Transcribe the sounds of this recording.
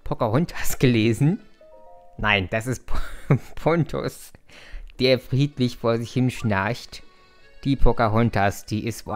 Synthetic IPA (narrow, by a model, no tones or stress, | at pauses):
pʰokaʁʊntʰasɡ̥əleːzn̩ | naɪnd̥asɪst̚ppʰɔntʰʊ̰s | d̥eːɐfʁ̥iːtlɪçfoːɐzɪçhɪnʃnaçt | d̥iːpʰokaʁʊntʰasd̥iːʔɪstv